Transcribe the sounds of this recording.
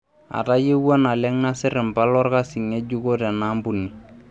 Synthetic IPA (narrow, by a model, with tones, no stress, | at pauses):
a̰˨ta˦je˦wɔ˦na˨lɛ˦ŋna˦sɪ˦ɾɪ˨mpa˦lɔ˦rka˦sɪ˨ŋe˦d͡ʒu˦ko˦tɛ˨na˦mbu˦ni˨